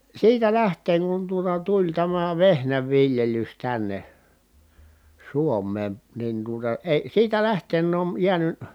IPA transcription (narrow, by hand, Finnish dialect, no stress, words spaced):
siːtæ læhteːŋ kun tuotɑ tulʲ tæmæ ʋehnæʋːiljelys tænːe suomˑeːn nin tuotɑ eĭ siːtæ læhteːn on jiæny